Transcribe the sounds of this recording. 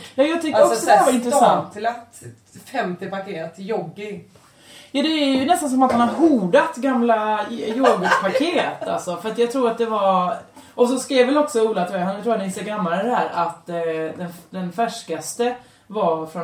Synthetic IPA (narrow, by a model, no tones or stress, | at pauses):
jɑːjɑːɡ̚t̪ʰʏkːəɔksɔd̪vaɾɪnt̪ɾɛsat̪lat̪ | fɛmt̪ɪpakʰeːɾt̪jɔɡːɪ | jɑːd̪ɛːɾjɵnɛst̪ans̬ɔmat̪hanaɾɦuːɖat̪ɡamlajoɡəpʰaɾkʰeːt̪a̰lsɔfœɾat̪jɑɡt̪ʰɾuːɾat̪̚d̪ɛva | ʔɔsɔskɾiːvvɛlɔksɔuːlat̪ʰːhanjt̪ɾuːhad̪ɛɪseɡamːaɾəd̪ɛhæːɾʔat̪d̪ɛnd̪ɛnfæʂkast̪ə | vafɾɔ